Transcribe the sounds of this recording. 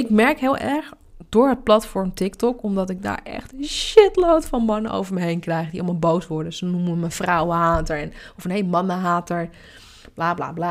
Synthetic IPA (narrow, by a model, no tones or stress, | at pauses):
ɪkmɛɹkɦɪːlˠʔɛɹ | dʊːɹɦət̚plɑtfɔɹmtɪktɔkɔmdɔtɪɡ̚da̰ːɹʔɛ̰xtʃɪtlowtfɑnmɑnə̰ʔo̰wvəɹməɦejnkrɛjxədiɑlˠmalˠbowsʋɔɹdəsənuməʋəmənfrawəɦaːtəɹɛnɔfənhelmɑnəɦaːtəɹ | b̥laːbla̰ːbla